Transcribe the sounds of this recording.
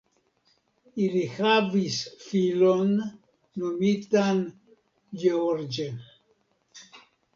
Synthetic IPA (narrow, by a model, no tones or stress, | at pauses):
ilixavisfilonː | umit̪an | jeoɾd͡ʒen